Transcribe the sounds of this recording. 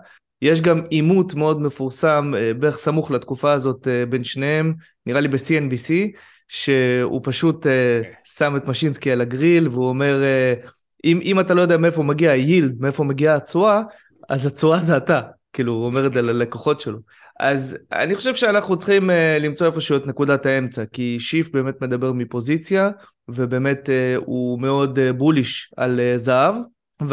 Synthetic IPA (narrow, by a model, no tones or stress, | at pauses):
jeʃ̬ɡamimutme̞o̞dme̞fuʁsambeχsamuχlat̪kufaːzo̞tebe̞nʃnehe̞m | niʁalibesienbisi | ʃe̞ṵpaʃutesame̞tmaʃinskialaɡʁilveuome̞ʁe | ʔimʔimatalojodeameefomeɡiajild̪̚meefo̞meɡiaːt͡sua | azat͡suazeatakiːluomeʁetzelalekoχo̞tʃe̞lo | ʔa̰za̰niχo̞ʃevʃeanaχnut͡sχimelimt͡so̞efo̞ʃuet̪ne̞kudatae̞mt͡sakiʃifbe̞ːme̞t̪me̞d̪abe̞ʁmipo̞zit͡sja | ve̞be̞ːme̞teume̞o̞d̪ebuliʃa̰lezaav | v